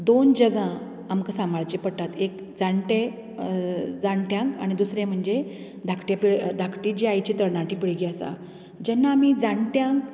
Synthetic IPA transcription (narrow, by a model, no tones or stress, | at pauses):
d̪ond͡ʑəɡã | amkəsamaɭt͡ɕipəɽʈ̪at̪ek | d͡zaɳʈe | d͡zaɳʈjãŋka̰ñid̪usɾẽm̤əɳd͡ʑe | d̪ʱakʰʈjapiɭd̪ʱakʰʈiːd͡ʑiajt͡ɕiːt̪əɾnaʈiːpiɭɡiasa̰ | d͡ʑɛnːaːmid͡zaɳʈjãŋk